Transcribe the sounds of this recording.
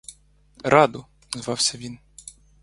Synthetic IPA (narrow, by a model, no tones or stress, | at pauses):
ɾɑd̪ʊ | zʋɑwsʲɐʋʲin